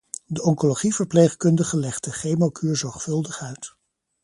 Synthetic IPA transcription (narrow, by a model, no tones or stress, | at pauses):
dəʔɔŋkoloχivəɹplejχkɵndəχəlɛχtəχejmokʰyːɹzɔɹχfɵlˠdəχœɥt